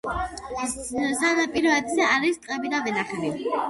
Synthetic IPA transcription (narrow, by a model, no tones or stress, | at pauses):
sanapʼiɾɔɛd̪zɛaɾist̪ʼqʼɛbid̪avɛnaχɛli